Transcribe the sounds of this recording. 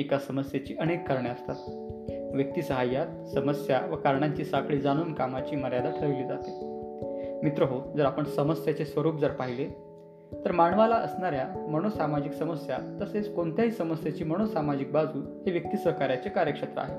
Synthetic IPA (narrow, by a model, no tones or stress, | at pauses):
ikasəməsjat͡ɕiːʔənekːaɾɳeəst̪at̪ | ʋjək̚t̪iːsəɦajːat̪̚səməsjaʋəkaɾɳaɲt͡ɕiːsakɭiːd͡zanuːnkamat͡ɕiːməɾjad̪aʈʰəɭʋeliːd͡zat̪e | mit̪ɾəɦod͡zəɾapəɳsəməsjat͡sesʋəɾuːpd͡zəɾpaɦile | t̪əɾmaɳʋalaʔəsɳaɾjaməɽ̃osamad͡ʑiksəməsjat̪ːəset͡skoɳt̪ʰjaɦiːsəməsjat͡ɕiːməɽ̃osamad͡ʑik̚bad͡zʱuː | ɦeʋjək̚t̪iːsʋəkaɾjat͡sekaɾjəkʂət̪ɾə̰a̰ɦe